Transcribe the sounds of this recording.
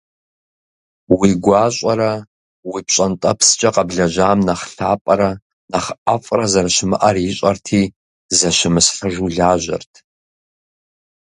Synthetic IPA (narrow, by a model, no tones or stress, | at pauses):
wiɡʷaːɕʷʼɐɾɐ | wipʰɕʼɐntʼɐpʰst͡ʃʼɐqʼɐbɮɐʒaːmnɐχɬaːpʼɐɾɐ | nɐχʔafʼrɐzɐraʃɪmɨʔɐrjɪɕʼɐrtʰiː | zɐʃɪmɨsħəʒuɮaːʒʷɐ̰rtʰ